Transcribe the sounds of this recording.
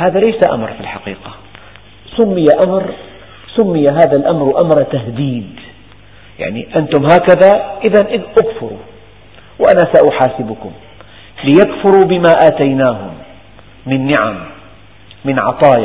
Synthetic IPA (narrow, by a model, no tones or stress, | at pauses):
haːðalajsaʔa̰mɾˤfilħɑqḭːqa | sʊmːɪjaʔamɾ | sʊmːɪjaɦaːðalʔamɾʔamɾˤt̪ahd̪iːd̪ | ja̰ʕnḭʔant̪ʊmɦaːkaðaʔɪðanʔɪʔakfʊɾṵ | wʔanasaʔʊħaːsɪbʊkʊm | lɪjakfʊɾubɪmaʔaːt̪ajnaːɦʊ̰mː | ɪnːɪʕa̰mː | ɪnʕɑ̰t̪ˤɑːj